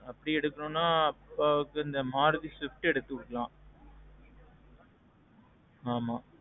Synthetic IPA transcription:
ɐpːɐɽiɛɽɯkːɐɾõːnːaːɐpːaːʋɯkːɯɪnd̪ɐmaːɾðisɪfʈɛɽɯt̪ːɯkʊɽɯkːɐlãː | aːmaː

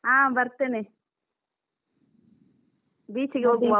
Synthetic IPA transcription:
ãːbɐɾt̪eːni | biːt͡ʃiɡeɦoːɡuŋɡa

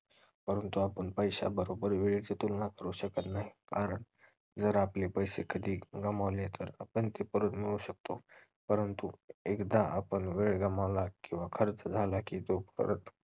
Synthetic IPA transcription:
pəɾənt̪uapəɳpəjɕa̰bəɾobəɾʋeɭet͡set̪ulnãkəɾuɕəkət̪naɦikaɾəɳ | d͡zəɾaplepəjsekʰəd̪iːɡəmaʋlet̪əɾapəɳt̪epəɾət̪miɭuɕək̚t̪o | pəɾənt̪uekd̪aapəɳʋeɭɡəmaʋlakĩw̃ʋakʰəɾt͡sd͡zʱalakiːt̪opə̰ɾət̪

